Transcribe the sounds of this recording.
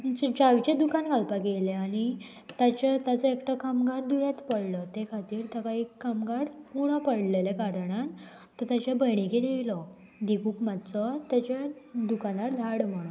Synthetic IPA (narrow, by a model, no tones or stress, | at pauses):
it͡ɕəd͡ʑaʋt͡ɕẽd̪ukankalpakeleani | t̪at͡ɕat̪jat͡səekʈəkamɡaɽd̪ujat̪pəɽlət̪ekʰat̪iːɾt̪əkaɦikamɡaɽmuɽ̃apəɽlelekaɾɳ̃an | t̪ːəɾt̪jat͡ɕabəjɳ̃iked̪eʋlɔ | d̪ikuːkmat̪t͡sət̪jat͡ɕjad̪ukanaɾd̪ʱaɽm̤əɽũn